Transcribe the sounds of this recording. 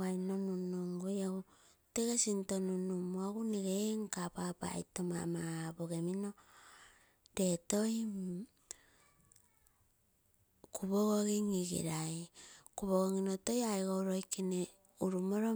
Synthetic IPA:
ajnonunoŋɡojaɡu | teɡesintonunumoaɡuneɡeŋkapapa̰jtoma̰mabo̞ɡemino̞ | de̞to̞j | kuβoɡoɡiŋiɡḭɾajkuβoɡoŋinoto̞jajɡowɾo̞jkine | uɾumoɾo

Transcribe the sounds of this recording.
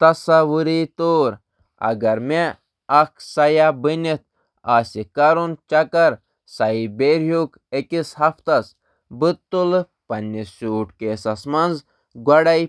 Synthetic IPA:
t̪ɐsɐʋuɾit̪oːɾ | ɐ̰ɡɐɾme | ɐkʰsɐjabɨnit̪̚ | aːsikɐɾunt͡ʃɐkɐɾ | sɐibeɾjuk | ekisɦɐft̪ɐs | bɨt̪ːul | pɐnːisuːʈkeːsɐsmɐnz | ɡɐɽɐj

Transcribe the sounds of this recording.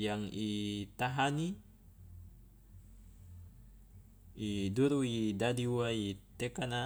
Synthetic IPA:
jaŋit̪aɦani | iduɾuidadiwait̪ekana

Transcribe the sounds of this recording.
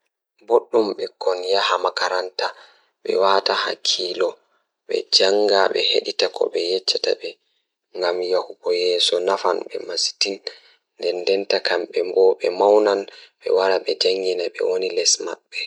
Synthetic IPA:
boɗːumɓɛkɔnjahamakaɾanta | ɓɛ̰waːtaha̰kʰiːlɔ | ɓɛ̰d͡ʒaŋɡaɓɛ̰heɗitakʰɔ̰ɓɛjɛt͡ʃːata̰ɓɛ | ŋɡamjahubɔjɛːsɔnafa̰nɓɛ̰masi̥tin | ndɛndɛntakamɓɛmbɔɓɛmawnanɓɛ̰waɾaɓɛd͡ʒaŋɡinaɓɛ̰wonilɛsma̰ɓːɛ

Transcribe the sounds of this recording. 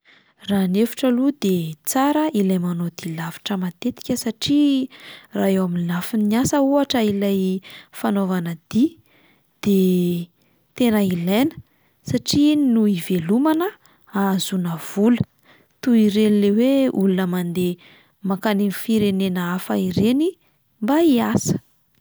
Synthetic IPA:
ranefi̥ʈ͡ʂəlud̪et͡saɾəilajmanod̪̥ilavi̥ʈ͡ʂəmat̪et̪i̥kʲəsaʈ͡ʂi | raɦewaminlafiniasəuaʈ͡ʂəilajfanovanəd̪̥i | d̪̥e | t̪enəilenə̥ | saʈ͡ʂinuivelumanə | azunəv̥ulə̥ | t̪uiɾenleweulunəmand̪e | makaninifiɾenenəafa̰iɾeni | mbaiasə̥

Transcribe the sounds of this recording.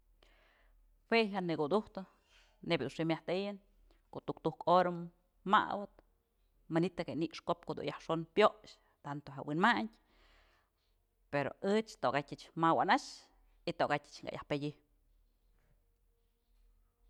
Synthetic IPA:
hwejanɨkud̪uht̪ɨ | nebʲd̪unʂimjaht̪ejɨn | koʔt̪ukt̪uhkoɾa | ma̰wɨt̪̚ | manit̪akeniʔʂkop̚kod̪ṵnjahʂonpjoʔʃ | t̪ant̪oɦawinmaɲʲ | peɾo̰ɨt͡ʃt̪oɡatʲɨt͡ʃmawa̰naʃ | it̪oʔɡatʲɨ̥t͡ʃŋɡa̰ja̰hpedʲi

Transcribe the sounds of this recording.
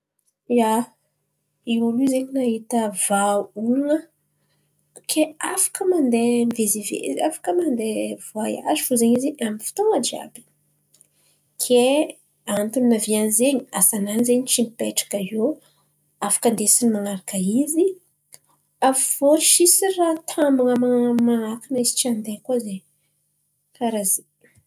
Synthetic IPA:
ja | iulizeɲinaɦit̪əvaulunə | kʰeafḁkəmand̪emvezivḛziafḁkəmand̪evoaja̰zifuzeɲizeamifi̥t̪oŋad͡ʒia̰bi̥ | kʰe | ant̪uninavianizeɲiasananizeɲit͡ʃimipeʈ͡ʂḁkao | afḁkənd̪esinimaŋaɾakəizi | avv̥oɾiʃisirat̪ʰambaŋəmamanakinəizi̥t͡ʃiand̪ekuazeɲ | kaɾaze

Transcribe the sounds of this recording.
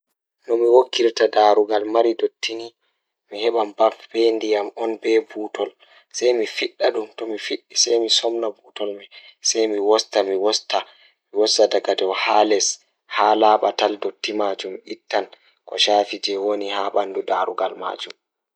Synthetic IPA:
nɔmiwokʰːiɾtadaɾuɡalmaɾidotʰːini | mihɛɓambafbendijamɔnbɛbuːtɔl | sajmifiɗːaɗumtɔmifiɗːisɛjmisɔmnabuːtɔlmɛsɛjmiwɔstamiwɔsta | miwɔsadaɡadɛwhalɛs | haːlaːɓataldotːimad͡ʒumitːan | kɔ̰ʃaːfid͡ʒɛwonihaɓandudaɾuɡalma̰ːd͡ʒum

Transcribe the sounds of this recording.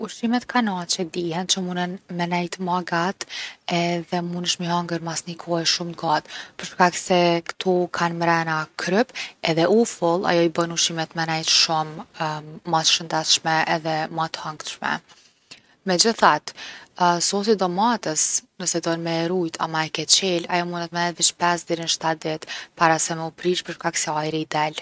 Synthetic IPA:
uʃimɛt̪kʰanat͡ʃɛd̪ihɛnt͡ʃəmunənmɛnɛjt̪maɡat̪ɛðɛmunəʃmiaŋɡəɾmasnikʰɔɛʃumɡat̪pəɾʃkaksɛkə̥t̪ʰɔkʰanmɾɛnakʰɾʏpɛðɛʔufəlˠa̰jɔibənuʃimɛt̪mɛnɛjt̪ʃumː | at̪ʃənd̪ɛθʃmɛɛðɛmat̪haŋkt̪ʃmɛ̰ | mɛd͡ʑəθat̪ | sɔsid̪ɔmat̪əsnəsɛd̪ɔnmɛɾujt̪ʰa̰maɛkɛt͡ɕɛlajɔmunɛt̪̚mɛnɛjt̪viʃpɛsd̪ɛɾinʃt̪at̪̚d̪ɛt̪paɾasɛmɛupɾiʃpəɾʃkaksɛajɾid̪ɛl

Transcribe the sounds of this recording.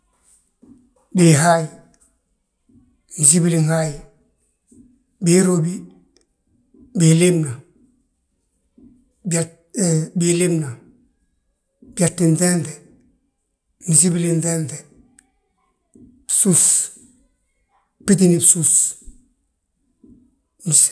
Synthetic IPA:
biɦaji | mis̬ibiliŋhaji | biɾobi | bilimna | ba | bilimna | b̥iatːinθente | mis̬ibilinθente | sus | pit̬inibsus | mis

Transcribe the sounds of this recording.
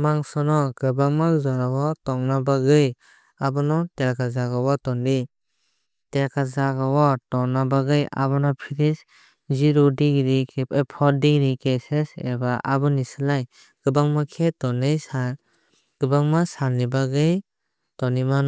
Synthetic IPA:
maŋsɔnɔɡɯbaŋmazɔɾawɔtɔŋnabaɡɯj | abɔnɔteɾkazaɡawatɔndi | teɾkazaɡawɔtɔŋnabaɡɯja̰bɔnɔpʰiɾis | ziɾudiɡɾikeepʰɔɾdiɡɾikesesebaʔabɯnisɯlaj | ɡ̥ɯbaŋmakʰetɔnɯjsa | ɡ̥ɯbaŋmasaɾnibaɡɯj | tɔniman

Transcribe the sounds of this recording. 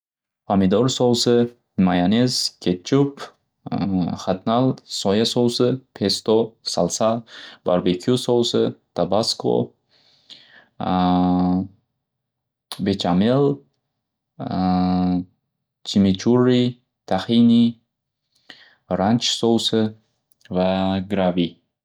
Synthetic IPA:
pʰamid̪ɔɾsɔwsɨ | majanezkʰet̪̚t͡ʃʰup | χat̪̚nalsɔjasɔwsɨpʰest̪osalsabaɾbekʰiusɔwsɨt̪ʰabaskʰo̰ | bet͡ʃʰamel | t͡ʃʰimit͡ʃʰurːi | t̪ʰaχini | ɾant͡ʃsowsɨ | vaɡɾavi

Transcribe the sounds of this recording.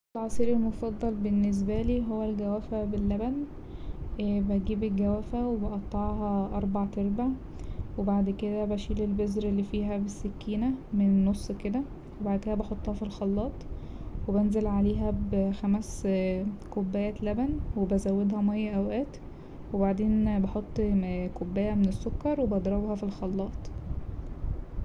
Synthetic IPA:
ʔelʕɑsˤiːɾelmofɑd̪ˤːɑlbenːes̬bæliːɦowːælɡæwæfæbelːæbæn | bæɡiːbelɡæwæfæwebeʔɑt̪ˤːɑʕhɑʔɑɾˤbɑʕt̪ɑɾˤbaʕ | webaʕd̪ked̪æbæʃiːlelbezɾelːifiːɦæbesːækːiːnæmennːosˤːked̪æ | webaʕd̪̚ked̪æbɑħot̪ˤːhɑfilxɑlːɑːt̪ˤ | webænzelʕaleːɦæbxæmæs | kobːæːjælæbænwebæzæwːed̪hæmæjːæʔæwʔæːt̪ | webaʕd̪eːnbɑħot̪ˤːkobːæːjæmenesːokːɑɾˤwebɑd̪ɾˤɑbhɑfilxɑlːɑːt̪ˤ

